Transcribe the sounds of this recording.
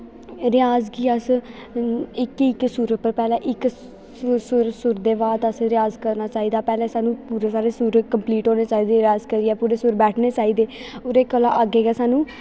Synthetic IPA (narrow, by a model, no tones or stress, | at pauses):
ɾɪjaːzkiːəs | ɪkɪksuːɾət̪̚pəɾpɛːlɛːʔɪk | sʊɾsʊɾd̪eːbaːd̪əsɾɪjaːzkəɾnaːt͡ʃaːiːd̪aːpɛːlɛ̃ːsaːnũːpuːɾeːsaːɾeːsuːɾəkəmpliːʈoːneːt͡ʃaːiːd̪eːɾjaːzkəɾiːɛːpuːɾeːsʊɾbɛːʈʰneːt͡ʃaːiːd̪eːʊɾeːkːəla̰ːʔəɡeːɡɛːsaːnũː